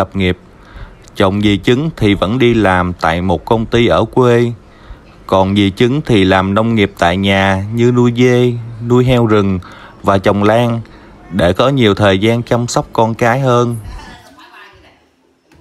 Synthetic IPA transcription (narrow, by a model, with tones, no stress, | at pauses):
ə˨˩p̚ŋi˨˩əp̚ | t͡ɕə˨˩wŋ͡mɣi˨˩t͡ɕɨ˨˦ŋt̪ʰi˨˩və̰˧˥nɗi˧laː˨˩mt̪a̰ː˧˨jmo˨˩t̚kə˧wŋ͡mt̪i˧ʔəː˧˩kwe˧ | kɔ˨˩nɣi˨˩t͡ɕɨ˨˦ŋt̪ʰi˨˩laː˨˩mna˧wŋ͡mŋi˨˩əp̚t̪a̰ː˧˨jɲaː˨˩ɲɨ˧nu˧jɣe˧nu˧jɦɛ˧wzɨ˨˩ŋvaː˨˩t͡ɕə˨˩wŋ͡mlaː˧ŋɗe˧˩kɔ˨˦ɲi˨˩əwt̪ʰəː˨˩jzaː˧nt͡ɕa˧wŋ͡msɔ˦˥wk͡p̚kɔ˧nkaː˨˦jhəː˧n